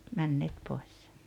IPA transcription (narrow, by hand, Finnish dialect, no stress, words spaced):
mænːeːt poes